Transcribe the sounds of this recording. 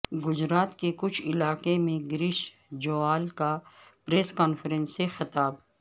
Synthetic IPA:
ɡʊd͡ʒɾaːt̪kekʊt͡ʃʰɪlaːkemẽɡɾɪʃ | d͡ʒoːaːlkapɾeːskaːnfəɾə̃nsːexɪt̪aːb

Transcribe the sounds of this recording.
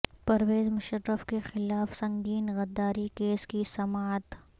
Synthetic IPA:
pɐɾʋeːzmʊʃəɾːəfkexɪlaːfsɐ̃ŋɡiːnɣɐd̪ːaːɾikeːskisɐmaːt̪

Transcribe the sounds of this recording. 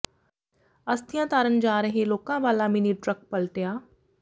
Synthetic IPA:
ɐst̪ʰɪjãːt̪aːɾənd͡ʒaːɾɐɦẽloːkãːʋaːlamɪniɖɾɐk̚pɐlʈejaː

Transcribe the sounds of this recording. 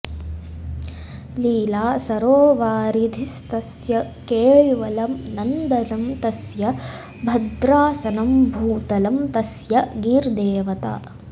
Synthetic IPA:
liːlaːsɐɾoːʋaːɾid̪ʱist̪ɐsjɐ | keːɭʋɐlɐmnɐnd̪ɐnɐmt̪ɐsjɐ | bʱɐd̪ɾaːsɐnɐmbʱuːt̪ɐlɐmt̪ɐsjɐɡiːɾd̪eːʋɐt̪a̰ː

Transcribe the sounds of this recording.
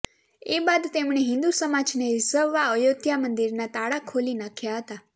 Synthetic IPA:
ebad̪t̪emɳeɦɪ̃nd̪usəmad͡ʒneɾɪzəʋʋaəjod̪ʱjamənd̪iɾnat̪aɽakʰolinakʰjaɦət̪a

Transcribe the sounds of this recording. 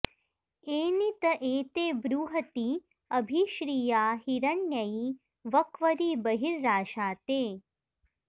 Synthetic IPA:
eːnit̪ɐʔeːt̪eːbɾuːɦɐt̪i | ɐbʱiʃɾiːjaːhiɾɐnjɐji | ʋɐkʋɐɾiːbɐɦiɾːaːʃaːt̪eː

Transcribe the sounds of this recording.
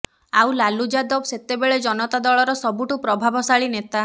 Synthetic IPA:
awlalud͡ʒad̪ɔbset̪ebeɭed͡ʒɔnɔt̪ad̪ɔɭɔɾɔsɔbuʈupɾɔbʱabʱɔsaɭinet̪a

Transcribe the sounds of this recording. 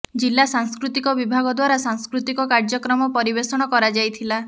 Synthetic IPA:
d͡ʒilːasaŋskɾut̪ikɔbibʱaɡɔd̪waɾasaŋskɾut̪ikɔkaɾd͡ʒɔkɾɔmɔpɔɾibesɔɽ̃ɔkɔɾad͡ʒajt̪ʰila

